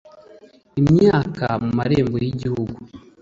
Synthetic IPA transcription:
imɲaːkamumaɾeːmbojiɟihuɡu

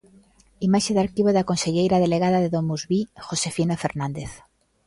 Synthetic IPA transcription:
imaʃeðaɾkiβoðakonseʎejɾaðeleɣaðaðeðomuzβixosefinofeɾnãnd̪eθ

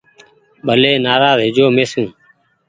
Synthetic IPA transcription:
ɓəleːnaːɾaːzɦɪd͡ʒoːmeːsũː

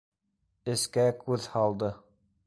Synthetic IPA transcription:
ɘ̆skækʉðhɑlˠd̪ɤ

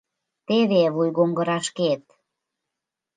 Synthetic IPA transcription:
t̪eβeβujɣoŋɡə̆ɾɑʃket̪̚

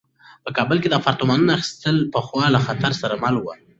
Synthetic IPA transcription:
pəkɑbəlked̪əfaɾt̪ʊmɑnunaaxi̥st̪əlpəxwɑlaxat̪aɾsaɾamalwə̰

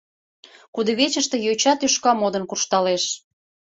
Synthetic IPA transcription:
kud̪əβet͡ɕəʃt̪ĕjot͡ɕɑt̪yʃkɑmod̪ənkurʃt̪ɑleʃ

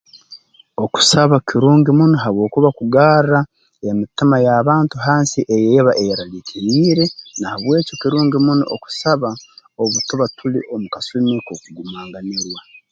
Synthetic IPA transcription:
o̞ku̥saβakʰiɾuːŋɡimunoɦaβwo̞ːkuβakuɡaːɾra | e̞mitimajaβaːntuɦaːnsiʔejejeβaʔejaɾalicʰiɾiːɾe̞nahaβwe̞ːco̞kiɾuːŋɡimuno̰ʔo̰ku̥saβao̞βutoβatulḭʔo̞mukasumekokuɡumaːŋɡaneɾwa

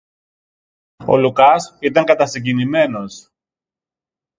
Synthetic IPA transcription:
o̞̰lukɐsit̪ɐŋkɐt̪ɐsiɲɟinime̞no̞s

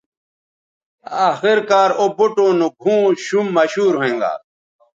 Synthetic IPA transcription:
aːxiɾkaːɾobuʈoːnuɡʱũːɕumːɐɕuːɾɦẽːŋɡa̰ː

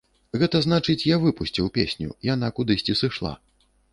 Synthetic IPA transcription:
ɣɛt̪ɐznat͡ʂɨt͡sʲjavɨpusʲt͡sʲiwpʲesʲnʲṵijan̪akud̪ɨsʲt͡sʲisɨʂlˠa̰

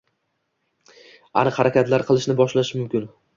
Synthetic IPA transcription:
a̰nɨqhaɾakʲat̪laɾqʰɨlˠɪʃnɪbɒʃlaʃɪmʊmkʲɪn

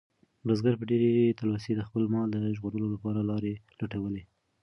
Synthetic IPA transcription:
bəzɡaɾpəɖeɾet̪alwasid̪əxpəlmɑld̪əʒɣoɾəlolapɑɾalɑɾelaʈawəle

